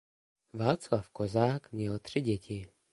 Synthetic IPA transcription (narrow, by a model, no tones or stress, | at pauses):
ʋaːt̪t͡slafkɔzaːkmɲɛlt̪riɟɛcʰi